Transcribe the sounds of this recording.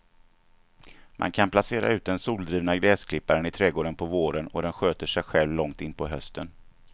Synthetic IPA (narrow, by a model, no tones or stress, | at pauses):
mʔa̰nkʰanplaseːɾa̰ʉ̟ːt̪̚d̪ɛnsuːld̪ɾiːvnaɡɾɛːskʰlɪpːaɾənɪt̪ʰɾɛːɡoːɖənpʰɔvoːɾənɔd̪ɛnɧøːt̪əʂɛjɧɛlvlɔŋt̪ɪnːpʰɔɦœst̪ən